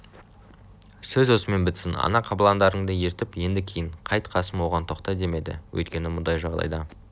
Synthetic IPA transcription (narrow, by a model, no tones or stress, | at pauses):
sɵzwo̞səme̞nbɪt̪sɪnɑ̰nɑqʰɑbəlˠɑnd̪ɑɾəɴd̪əje̞ɾt̪ɪpje̞nd̪ɪkʲʰejɪɴqʰɑjt̪qʰɑsəmwo̞ʁɑnt̪ʰo̞qt̪ɑd̪e̞me̞d̪ɪ̰wɵ̰jt̪kʲe̞nɪmʊnd̪ɑjʒɑʁd̪ɑ̰jd̪ɑ